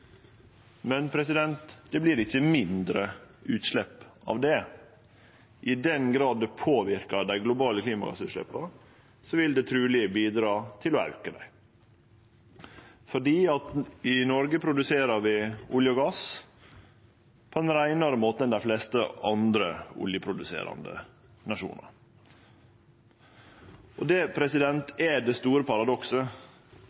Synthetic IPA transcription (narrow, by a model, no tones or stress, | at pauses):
mɛnpʰɾɛsɪd̪ɛnt̪d̪̥ɛbliːɾɪçːəmɪnd̪ɾəʉːt̪ʂlɛpːɑ̰ʋd̪ɛ | ʔɪd̪ɛnɡɾɑːd̪pʰoːʋɪɾkɑd̪æɪɡlʊbɑːləkʰliːmɑ̰ɡɑ̰sʉːt̪ʃlɛ̰pːɑ | sɔʋɪld̪ɛt̪ʰɾʉːlɪəbiːd̪ɾɑːt̪ʰɪlɔɑ̰ʉkəd̪æ̰ɪ | fɔɖiːɑt̪ɪnɔɾɡəpʰɾʊd̪ʉseːɾəɾʋɪʊljəɔɡɑs | pʰɔd̪ɛnɾæɪnɑɾəmoːt̪əɛnd̪æɪfleːst̪əɑnd̪ɾəʊ̰ljəpʰɾʊd̪ʉsḛːɾɑ̰nd̪ə̰ | nɑʂṵːnə̰ɾ | ʔɔd̪ɛpʰɾɛsɪd̪ɛnt̪ʰɛɖɛst̪uːɾəpʰɑɾɑd̪ɔksə